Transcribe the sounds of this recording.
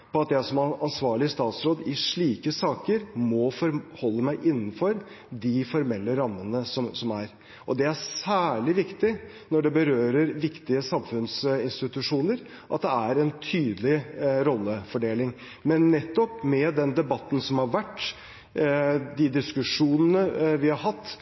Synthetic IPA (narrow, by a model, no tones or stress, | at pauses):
pɔɑt̪jæɪsɔmɑnsʋɑːɭɪəst̪ɑːt̪sɾoːd̪ɪʂɭiːkəsɑːkəɾmɔfɔɾhɔlːəmæɪʔɪnːn̩fɔɾ | d̪ɪfɔɾmɛlːəɾɑmːənəsɔmsɔmæɾ | ʔɔd̪ɛæsæːɭɪʋɪkt̪ɪ | nɔɖɛbəɾøːɾəɾʋɪkt̪ɪəsɑmfʉnsɪnst̪ɪt̪ʉʂuːnəɾ | ʔɑt̪̚d̪ɛæɾɛnt̪ʰyːd̪lɪɾɔlːəfɔɖeːlɪŋ | mɛnːɛt̪ːɔpmɛd̪ɛnd̪ɛbɑt̪ːn̩sɔmhɑɾʋæʈː | d̪ɪd̪ɪskʉʂuːnənəʋɪhɑɾɦɑt̪ː